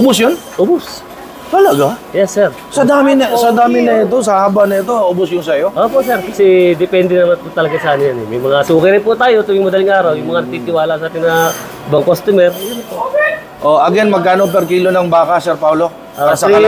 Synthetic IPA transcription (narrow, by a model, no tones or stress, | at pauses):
ʔobʊsjon | ʔobos | t̪ɐlɐɡajɛsːɛɾ | sɐd̪aːmɪnɐsɐd̪aːmɪnɐɛt̪os̬ɐhaːbɐnɐɛt̪̬oʔobʊsjʊnsɐjo̞ʔoːpo̞ʔsɛɾkɐsɛd̪ɪpɛnd̪ɛnɐmɐnpʊt̪ɐlɐɡasɐʔaːnɪɲjanɛmɐjmɐŋat̪uːkɪɾɪnput̪aːjo̞t̪ʊɪŋmɐd̪ɐlɪŋʔaːɾɐwjʊŋmɐŋanɐɡ̚t̪iːt̪ɪwaːlɐsaːt̪ɪnɐ | bɐŋkost̪ʊmɛɾjʊnt̪o | ʔoʔɐɡɛnmɐɡ̚kaːnop̬ɛɾkiːlonɐŋbaːkɐsɛɾpawlo | ʔasɐkɐ